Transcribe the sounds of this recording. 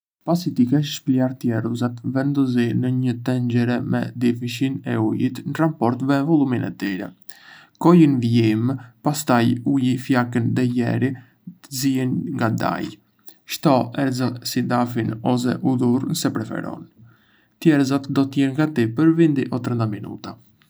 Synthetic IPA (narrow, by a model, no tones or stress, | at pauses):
pasit̪ikaʃʃpliaɾt̪jɛɾzat̪vɛnd̪ɔzinəɲət̪ɛɲd͡ʒɛɾɛmɛ̰d̪ifiʃinɛ̰ujit̪nəɾampɔɾt̪vɛvɔlˠuminɛ̰t̪iɾɛ̰ | kɔjinviimpast̪ajujifjakənd̪ɛjɛ̰ɾi | t̪əziɛnŋɡad̪a̰j | ʃt̪ɔɛɾzɛsid̪afinɔs̬ɛ̰ʔud̪uɾnsɛpɾɛfɛ̰ɾɔ̰n | t̪jɛɾzat̪d̪ɔt̪əjɛnŋɡat̪ipəɾvind̪iʔɔt̪ɾənd̪aminṵt̪a